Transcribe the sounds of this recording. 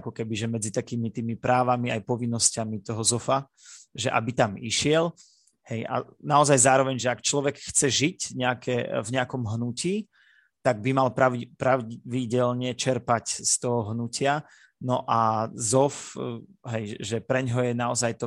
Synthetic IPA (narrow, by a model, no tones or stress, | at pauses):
kɔkɛbiʒɛmɛd͡zit̪akiːmit̪iːmipɾʔaːʋamiajpɔʋinːɔscamit̪ɔɦɔzɔfa | ʒɛʔa̰bit̪amiʃɪɛl | hɛjʔa̰naɔzajzaːɾɔʋɛɲʒɛakt͡ʃlɔʋɛkxt͡sɛʒicɲɛakʰɛvɲɛakɔmɦnuciː | t̪aɡ̚bimalpɾapɾaʊʋiɟɛlɲɛt͡ʃɛɾpacst̪ɔɦɔɦnucɪa | nɔʔazɔf | ɦɛjʒɛpɾɛɲɦɔjɛnaɔzajt̪ɔ